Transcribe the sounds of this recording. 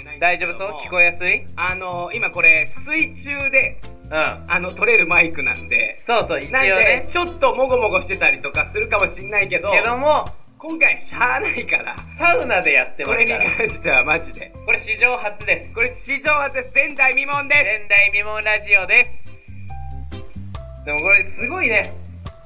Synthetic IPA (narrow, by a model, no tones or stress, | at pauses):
d̪aiʑo̞ːbɯsokʲi̥ko̞jasɨiano̞imako̞ɾe̞sɨit͡ɕɨːd̪e̞ | ɯ̃ano̞t̪o̞ɾe̞ɾɯ̟maikɯ̟nã̰nd̪e̞̰so̞ːsoːinaet͡ɕo̞t̪ːo̞mo̞ɡo̞mo̞ɡo̞ɕi̥t̪e̞t̪aɾʲit̪o̞kasɨɾɯ̟kamoɕinːaike̞d̪oked̪o̞mo | kõŋkaiɕanaikaɾa̰saɯ̟nad̪e̞jat̪ːeko̞ɾeɲ̟ikãɰ̃ɕi̥t̪e̞βamaʑid̪e̞̰ko̞ɾe̞ɕiʑo̞ːɦat͡sɨd̪e̞sɨ̥ko̞ɾe̞ɕiʑo̞ːhat͡sɨd̪esɨzẽ̞nd̪aimʲimõ̞nd̪e̞snd̪aimʲimõ̞nɾaʑio̞d̪e̞s | d̪̥e̞mo̞ko̞ɾesɨɡo̞ine̞